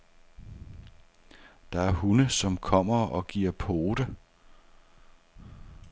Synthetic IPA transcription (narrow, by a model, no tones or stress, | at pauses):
d̥ɑ̈æɐhunəsɒ̽mkʰɒ̽m̰ɐɒ̽ɡ̥iɐpʰoːd̥ə